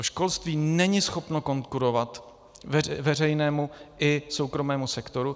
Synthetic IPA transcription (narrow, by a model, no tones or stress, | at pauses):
oʃko̞lst̪viːnɛɲɪsxo̞pno̞ko̞ŋkuɾo̞vat̪ | vɛrɛjnɛːmuʔɪso̞wkɾo̞mɛːmusɛkt̪o̞ɾu